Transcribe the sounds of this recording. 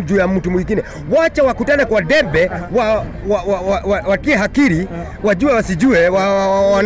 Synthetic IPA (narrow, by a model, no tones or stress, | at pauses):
d͡ʒujam̩tumwiŋɡinɛ | wat͡ʃawakutanɛkwaɗɛbɛwa | wawaawawakiɛɦakiɾi | waʄuɛwasiʄuɛwaawan